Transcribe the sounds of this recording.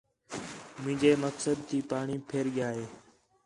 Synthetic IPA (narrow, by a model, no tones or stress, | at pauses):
mʊ̃ːɲd͡ʒeːməksəd̪̚t̪ʰiːpaːɳiːpʰeːɾɠɪjaːɦeː